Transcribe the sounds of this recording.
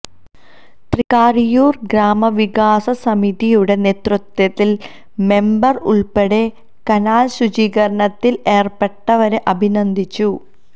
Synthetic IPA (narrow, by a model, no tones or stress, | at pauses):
t̪rikaːrijuːrɡɾaːmɐʋikaːsɐsɐmiðijuɽe̞neːt̪rut̪ːwɐt̪ːil | me̞mbɐrṵɭpeɽe̞ | kɐnaːlɕud͡ʑiːkɐɾɐɳɐt̪ːileːrpeʈːɐʋɐɾeʔɐbʱinɐnd̪ʱit͡ɕːu